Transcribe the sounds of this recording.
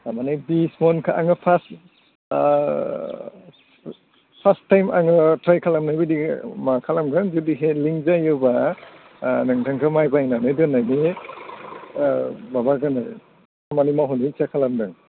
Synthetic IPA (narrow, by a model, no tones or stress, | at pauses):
amanibismɔnkʰaʔaŋɯpʰas | pʰastːajma̰ŋɯtɾajkʰalamnajbidimakʰalamɡɯnzudiɦeliŋzajɯba | nɯŋtʰaŋkʰɯmajbajnanɯdɯnːajne | babaɡanaj | amanimaɦɔnit͡ʃakʰalamdɯŋ